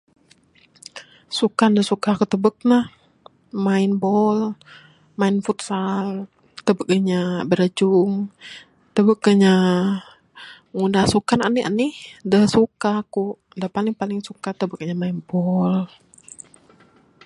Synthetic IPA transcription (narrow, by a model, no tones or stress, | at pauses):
sukandəsukakut̪əbək̚nah | maɪnbɔl | maɪnfut̪̚sal | t̪əbək̚əɲabəɾəd͡ʒʊŋ | t̪əbəkəɲa | ŋundasukana̰nia̰nihdəsukaku | dapalɪŋpalɪŋsukat̪əbək̚əɲamainbɔl